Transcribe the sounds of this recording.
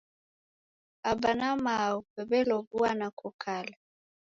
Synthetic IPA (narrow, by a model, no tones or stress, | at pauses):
abanamaupɛbɛlɔɡuanakɔkʰala